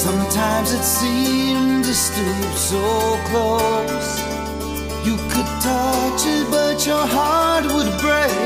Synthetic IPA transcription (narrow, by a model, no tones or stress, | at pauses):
sʌ̃mtʰãɪ̃mzɨtsĩnndɨstupsoʊkʰl̥oʊ | s | jɨkʰɨd̚tʰʌt͡ʃɨbʌt͡ʃə˞ɦɑɹt̚wəd̚bɹeɪ